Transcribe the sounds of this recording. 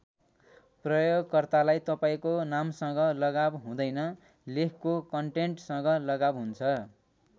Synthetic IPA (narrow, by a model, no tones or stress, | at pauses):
prʌjoɡkʌrt̪alajt̪ʌpaĩkonamsʌ̃ŋɡʌlʌɡabɦũd̪ʌjnʌ | lekʰkokʌɳʈeɳʈsʌ̃ŋɡʌlʌɡabɦunt͡sʰʌ